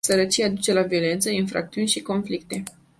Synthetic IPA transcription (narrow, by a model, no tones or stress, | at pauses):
səɾət͡ʃiad̪ut͡ʃe̞lavio̞le̞nt̪səinfɾa̰k̚t̪siunʃiko̞nflik̚t̪e̞